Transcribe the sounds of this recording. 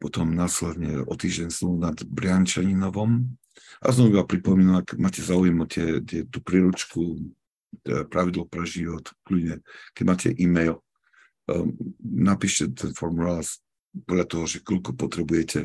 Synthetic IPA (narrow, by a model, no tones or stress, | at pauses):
pɔt̪ɔmnaːslɛd̪ɲɛ̰ɔ̰t̪iːʒɟɛnsunad̪bɾɪaɲt͡ʃaɲinɔʋɔm | ʔa̰sɔmiʋaːpɾipɔmiːnaakɛmaːcɛzaujɛmɔt̪ɪɛt̪ɪɛt̪uːpɾiːɾut͡ʃku | pɾaʋid̪lɔpɾɛʒiʋɔt̪kludɲɛkɛɟmaːcʰɛ̰ʔiːmɛjl | napiːʃcɛt̪ʰɛnfɔɾmulas | pɔdʎat̪ɔɦɔʒɛkɔʎkɔpɔt̪ɾɛbujɛcʰɛ